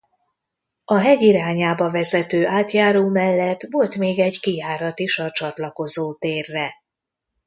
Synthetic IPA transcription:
ɒɦɛɟiɾaːɲaːbɒvɛzɛt̪øːʔaːt̪jaːɾoːmɛlːɛt̪ːvo̞lt̪meːɡɛɟkijaːɾɒt̪iʃɒt͡ʃɒt̪lɒko̞zoːt̪eːrːɛ

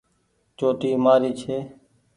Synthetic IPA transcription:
t͡ʃoːʈiːmaːɾiːt͡ʃʰeː

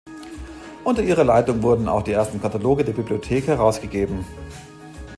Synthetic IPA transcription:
ʔʊntɐʔiːʁɐlaɪtʊŋvʊɐdn̩a̰ʊxd̥iːʔeɐstn̩kʰataloːɡədeːɐbibliotʰeːkhɛʁ̞aʊsɡ̥əɡeːbm̩

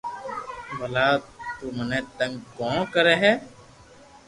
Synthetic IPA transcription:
ʋəlaːt̪uːmənet̪ə̃ŋɡkɔ̃ːkəɾeɦɛ

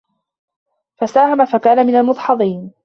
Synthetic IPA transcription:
fasaːhamafakaːnamɪnalmʊd̪ˤħɑd̪ˤiːn

